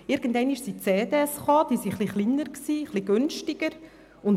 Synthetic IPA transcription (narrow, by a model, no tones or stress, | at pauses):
ɪɾɡ̥əndɛɪniʃsit͡seːdeːɛsχɑːd̥iːsiχliχlinəɾksiːχliɡ̥ʏnʃtɪɡ̥əɾ | ʊn